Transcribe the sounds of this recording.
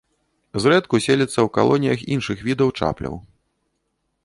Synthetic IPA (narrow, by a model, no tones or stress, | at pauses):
zɾɛt̪kusʲelʲɐt̪sːɐwka̰lˠɔnʲijɐxinʂɨxvʲid̪ɐwt͡ʂa̰plʲɐ̰w